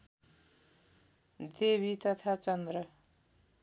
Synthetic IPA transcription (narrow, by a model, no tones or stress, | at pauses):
d̪eβʱit̪ʌt̪ʰat͡sʌnd̪rʌ